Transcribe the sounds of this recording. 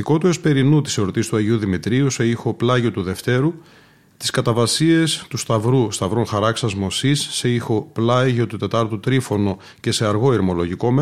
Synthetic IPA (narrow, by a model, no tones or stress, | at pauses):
iko̞t̪ue̞spe̞ɾinut̪i̥seɾot̪ist̪uɐʝiuðimit̪ɾiuse̞ixo̞plɐʝo̞t̪uðe̞ft̪e̞ɾu | t̪i̥skɐt̪ɐvɐsie̞st̪ust̪ɐvɾust̪ɐvɾoŋxɐɾɐksɐzmo̞sisːeixo̞plɐʝo̞t̪ut̪e̞t̪ɐɾt̪ut̪ɾifo̞no̞ | ce̞se̞ɐɾɣo̞iɾmo̞lo̞ʝiko̞m